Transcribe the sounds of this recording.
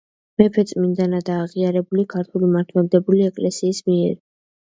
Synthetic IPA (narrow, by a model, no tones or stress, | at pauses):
mɛpʰɛt̪sʼmind̪anad̪aːʁiaɾɛbulikʰaɾt̪ʰulimaɾt̪ʰwɛld̪ɛbuliɛkʼlɛsiːsmiɛɾ